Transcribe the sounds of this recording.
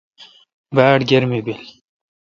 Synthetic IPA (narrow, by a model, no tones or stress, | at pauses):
baːʈɡeɾmibil